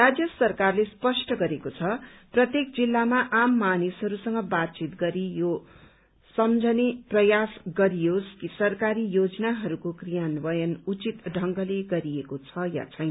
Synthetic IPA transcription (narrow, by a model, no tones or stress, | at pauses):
rad͡zjʌsʌrkarlespʌsʈʌɡʌɾekot͡sʰʌprʌt̪jek̚d͡zilːamaʔamːanisɦʌɾusʌŋɡʌbat̪̚t͡sit̪ɡʌɾijo | sʌmd͡zʱʌneprʌjasɡʌɾijoskisʌrkaɾijod͡zʌnaɦʌɾukokrijanbʌjʌnut͡sit̪ɖʱʌŋɡʌleɡʌɾiekot͡sʰʌja̰t͡sʰʌjn